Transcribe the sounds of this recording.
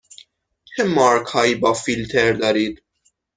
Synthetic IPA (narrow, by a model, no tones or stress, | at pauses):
kʰɛmːɐɾkhɐjbɐfːilt̪ʰɛɾd̪ɐɾit̪